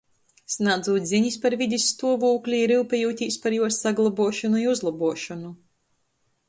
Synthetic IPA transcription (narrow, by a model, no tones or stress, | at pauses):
snad̪zuːt̪ʲzʲiɲispaɾvʲid̪ʲisːt̪uɔvuːklʲiiɾɨwpʲɛjuːt̪ʲiːspaɾjuɔsːaɡlˠabuɔʃɔnuiuzlˠabuɔʃɔnu